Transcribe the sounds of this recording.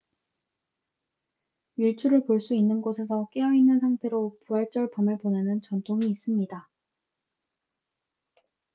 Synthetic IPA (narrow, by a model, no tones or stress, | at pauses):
iɭt͡ɕʰuɾɯɭpoɭs͈uinːɯnɡosʰe̞s̬ʰʌk͈eʌinːɯnsʰaŋtʰe̞ɾopuaɭt͡ɕ͈ʌɭpamɯɭponenɯnt͡ɕʌntʰoŋiːs͈ɯmɲida